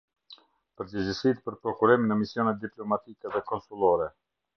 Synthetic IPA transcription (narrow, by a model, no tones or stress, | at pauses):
pəɾdəzəsit̪pəɾpɾɔkuɾiminəmisjɔnɛt̪̚d̪iplɔmat̪ikɛðɛkɔnsulˠɔɾɛ